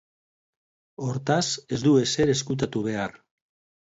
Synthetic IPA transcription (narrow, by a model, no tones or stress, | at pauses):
o̞ɾt̪ase̞zd̪ue̞se̞ɾe̞skut̪̬at̪uβe̞ar